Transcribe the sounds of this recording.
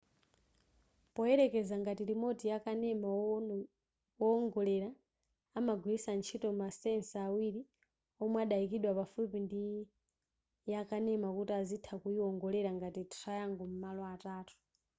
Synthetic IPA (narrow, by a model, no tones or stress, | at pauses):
pɔɛɾɛkɛzaŋɡatiɾimɔtijakanɛma | ɔŋɡɔlɛɾa | amaɡʱwiisant͡ʃʰitɔmmasɛnsawiɾi | ɔmwaɗaikiɗwapafupindi | jakanɛmakutiazitʰakuiɔŋɡɔlɛɾaŋɡatitrajaŋɡɔm̩malɔataːtʰu̥